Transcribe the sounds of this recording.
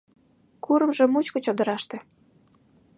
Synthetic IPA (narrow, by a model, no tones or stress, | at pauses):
kuɾə̆mʒĕmut͡ɕkŏt͡ɕod̪ə̆ɾɑʃt̪ĕ